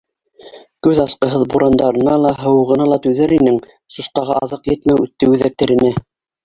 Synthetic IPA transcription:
kʉðɑsqɤ̆ɦɤðbuɾʔɑnd̪ɑɾɤ̆nɑlˠɑɦɤ̆w̆ʁɤ̆nɑlˠɑt̪ʉðæɾinɘŋ | susqɑʁɑʔɑðɤqjɘ̆t̪mæwʉt̪ːɘʉðæk̚t̪æɾɘ̆næ

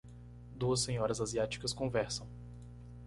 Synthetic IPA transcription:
d̪uɐsːẽɲɔɾɐzaziat͡ʃi̥kɐskõvɛɾsɐ̃w̃

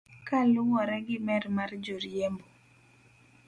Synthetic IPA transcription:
kaluwɔɾɛɡɪmɛrmard͡ʒoɾiembo

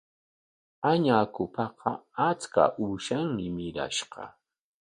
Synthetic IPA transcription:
aɲaːkʊpɑqɑat͡ska̰ʔuʃaŋmɪmɪɾa̰ʃɢɑ̰

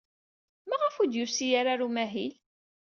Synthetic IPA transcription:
maʁəfud̪jusijaɾaɾumæɦil

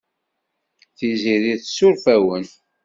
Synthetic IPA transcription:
θiziɾiθsʊɾfæwən

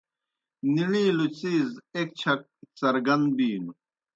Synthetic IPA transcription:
niɳiːlut͡siːzek̚t͡ɕʰɐk̚t͡sɐɾɡɐnd̪biːnu

